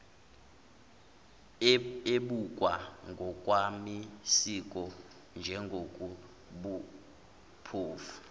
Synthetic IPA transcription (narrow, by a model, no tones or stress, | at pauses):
eɓukʼwaŋɡʱɔkʼwamisik̬ʼɔ | nd͡ʒʱɛŋɡʱokʼu | ɓu | pʰoːfu̥